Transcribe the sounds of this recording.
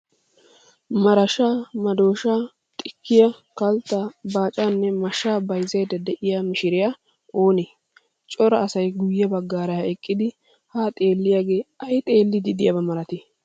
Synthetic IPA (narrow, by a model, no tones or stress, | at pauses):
mɐɾɐʃaːmɐd̪o̞ːʃaː | t̪ʼɪkʰːɪjɐ | kɐlt̪ːabaːt͡ʃʼaːnːɛmɐʃaːbɐjzɐjd̪ɐd̪ɛʔɪjaːmɪʃɪɾɪja | o̞ːneː | t͡ʃʼɔɾɐːsɐjɡʊjːɐbɐɡːaːɾɐjɐɛkʼːɪd̪ɪ | haːt̪ʼe̞ːlːɪjaːɡe̞ːɐjt̪ʼe̞ːlːɪd̪ɪd̪ɪjɐbɐmɐɾɐt̪eː